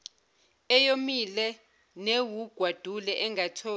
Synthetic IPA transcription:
ɛjomilɛ | newuɡ̥ʱwad̥ʱulɛʔɛŋatʰoː

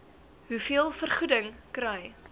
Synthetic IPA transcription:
ɦufiəlˠfərχudəŋkɾɛj

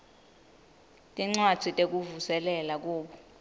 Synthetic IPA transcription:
tʼiŋ͡ǀwad̥z̥ʰʱitʼek̬ʼuvusɛlɛlak̬uːɓɔ

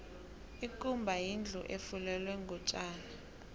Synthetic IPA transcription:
ikʼumbʱajind͡ɮʱṵʔefulɛlwɛŋɡʱɔt͡ʃʼaːla

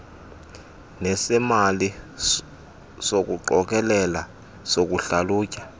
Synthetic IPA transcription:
nɛsɛmali | sok̬uǃɔk̬ɛlɛla | sok̬uɬaluːcʼḁ

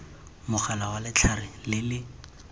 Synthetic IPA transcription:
mʊχʰalawalɪt͡ɬʰarɪlɪlɪ

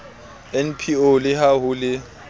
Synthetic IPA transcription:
ɛnpʰiolɪhaɦʊlɪ

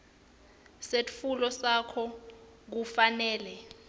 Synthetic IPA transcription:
sefulɔsakʰɔ | k̬ufanɛːlɛ

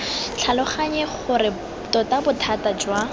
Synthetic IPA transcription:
t͡ɬʰalʊχaɲɛχʊɾɪ | tɔtabʊtʰatad͡ʒwa

